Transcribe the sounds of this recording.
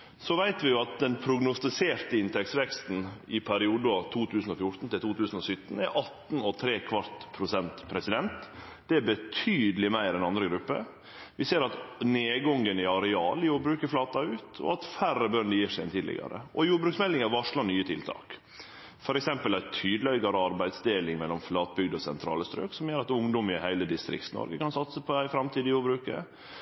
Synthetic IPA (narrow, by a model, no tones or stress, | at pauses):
sɔʋæɪt̪ʋɪjʊɑt̪̚d̪ɛnpʰɾʊɡnʊst̪ɪseːɾt̪əɪnt̪ʰɛksʋɛkst̪n̩ɪpʰæɾɪuːd̪əɑt̪ʰuːt̪ʰʉːsən̩ɔfjʊʈ̪n̩t̪ɪlt̪ʰuːt̪ʰʉːsən̩ɔsʏt̪ːn̩æɾʔɑt̪ːn̩ɔt̪ʰɾeːkʰʋɑɾt̪pʰɾʊsɛnt̪pʰɾɛsɪd̪ɛnt̪ | d̪̥ɛæbət̪ʰyːd̪əlɪmæɪɾɛnɑnd̪ɾəɡɾʉpːə̰ | ʋɪseːɾɑt̪neːɡɔŋːənɪɑɾɛɑːlɪjuːbɾʉːkəɾflɑːt̪ɑʉːt̪ʰɔ̰ɑt̪færəbœnd̪əjiːʂæɛ̰nt̪ʰiːd̪ɪ̰ɡɑ̰ɾə̰ʔɔjuːɖbɾʉksmɛlːɪŋɑɾʋɑʂɭɑnyːət̪ʰɪlt̪ʰɑ̰ːk | fɔɾɛksɛmpəlæt̪ʰyːd̪əlɛɡɑɾəɑɾbæɪd̪sd̪eːlɪŋmɛlːɔmflɑːt̪̚bʏɡd̪ɔsɛ̰nt̪ʰɾɑ̰ːləst̪ɾø̰ːksɔmjøːɾɑt̪ʊŋd̪ɔmɪhæɪləd̪ɪst̪ɾɪ̰k̚t̪snɔ̰ɾɡəkɑnsɑt̪səpʰɔæɪfɾɑmt̪ʰiːd̪ɪjuːbɾʉːkəɾ